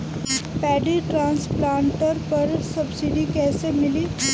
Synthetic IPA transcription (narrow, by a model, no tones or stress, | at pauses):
pɛːɖiʈɾãːnsplãːɳʈəɾpɐɾsɐbsɪɖikɛːsemɪli